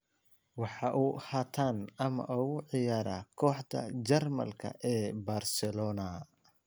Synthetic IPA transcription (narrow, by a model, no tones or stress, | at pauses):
wɑħɑʔuːhaːt̪ʰaːnɐmɐ̰ʔuːɣʊʕɪjaːɾaːkʰɔːħd̪ʰɐ̰d͡ʒɐrmɐ̰lkʰɐ̰ʔɛːbaːrsɛlɔːnɐ